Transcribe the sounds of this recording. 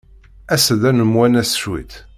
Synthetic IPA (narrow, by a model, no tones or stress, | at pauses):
æsðænəmwænæsʃwḭt̪